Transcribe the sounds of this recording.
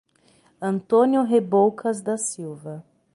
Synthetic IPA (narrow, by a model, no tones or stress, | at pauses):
ɐ̃nt̪õnjʊɦebowkʰɐzd̪ɐsiwvɐ